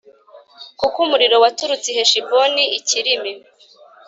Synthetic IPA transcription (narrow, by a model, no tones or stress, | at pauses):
kukumuɾiɾo̞watuɾut͡siɦeʃiboniːciɾimi